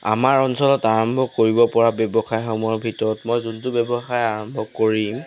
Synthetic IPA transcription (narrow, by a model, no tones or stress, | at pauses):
a̰maɹɔnsɔlɔtaɹɔmbʱɔkoɹibɔpɔɹabɛbɔxajxɔmɔjɔɹbʱitɔɹɔtmɔjzuntʊbɛbɔxajaɹɔmbʱɔkoɹim